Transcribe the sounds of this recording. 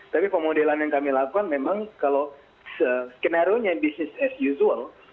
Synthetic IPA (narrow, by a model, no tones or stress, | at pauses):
t̪apipəmodelanjaŋkamilakukanmemaŋkalo | səskɛnaɾjoɲabisnɪsɛsjuzuəl